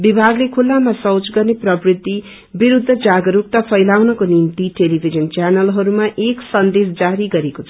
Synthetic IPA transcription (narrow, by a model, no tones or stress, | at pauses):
bibʱaɡlekʰulːamasʌwt͡sɡʌrneprʌbrit̪ːi | biɾud̪ʱːʌd͡zaɡʌɾuk̚t̪apʰʌjlawnʌkonimt̪iʈelibʱid͡zʌnt͡ʃanʌlɦʌɾumaʔeksʌnd̪es̬d͡zaɾiɡʌɾekot͡sʰʌ